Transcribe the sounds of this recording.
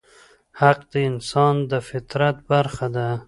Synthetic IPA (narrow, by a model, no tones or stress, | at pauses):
haq̚d̪̥əɪnsɑnd̪əfɪt̪ɾat̪̚baɾxad̪a